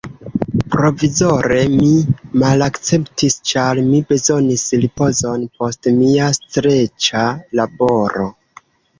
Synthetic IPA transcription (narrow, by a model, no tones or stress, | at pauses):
pɾo̞vizo̞ɾe̞mimalakt͡se̞ptist͡ʃalmibe̞zo̞nisɾipo̞zo̞npo̞stmiastɾe̞t͡ʃalabo̞ɾo̞